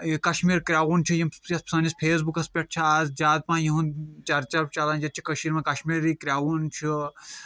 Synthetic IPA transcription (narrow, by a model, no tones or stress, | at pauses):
kɐʃmiːɾkɾʲaːwunt͡ʃʰujimɐspsaːnispʰeːs̬bukɐspʲɐʈ̚ʰt͡ʃʰiaːzd͡ʒaːd̪̚pãːjiɦũnt͡ʃɐɾt͡ʃɐɾbt͡ʃaːlaːnd͡ʒɐt̪̚t͡ʃʰi̥kɐʃiːɾmɐ̃kɐʃmiɾiːkɾʲaːwunt͡ʃʰi